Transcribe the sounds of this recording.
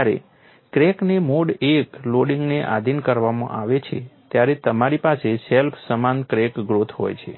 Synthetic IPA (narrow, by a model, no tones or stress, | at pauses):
aɾḛ | kɾeknemoɽekloɽiŋɡneʔa̰d̪ʱinkəɾʋamã̰ʔaʋet͡ʃʰet̪jaɾet̪əmaɾipaseselpʰsəmankɾekɡɾot̪ʰɦo̰jt͡ʃʰḛ